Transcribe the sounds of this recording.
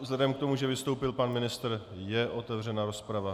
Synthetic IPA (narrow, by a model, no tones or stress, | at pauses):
vzlɛdɛmkt̪o̞muʒɛvɪst̪o̞wpɪlpanmɪnɪst̪r̩ | jɛʔo̞t̪ɛvr̝ɛnaɾo̞spɾava